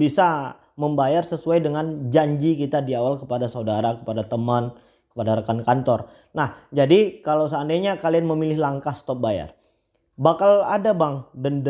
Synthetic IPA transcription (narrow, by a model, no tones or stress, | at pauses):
bisa | məmbajarsəsuajdəŋand͡ʒaɲd͡ʒikit̪adiawalkəpadasaudaɾakə̥padat̪əman | kə̥padaɾəkankant̪ɔr | nahd͡ʒadikalawsandajɲakalianməmilɪɦlaŋkahst̪ɔp̚baja̰r | bakaladabaŋdənd